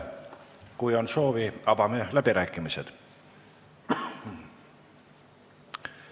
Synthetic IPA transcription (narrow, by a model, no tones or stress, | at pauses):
kujo̞nso̞ːviɑbɑmelæb̥iɾæːkːˑimised̪̥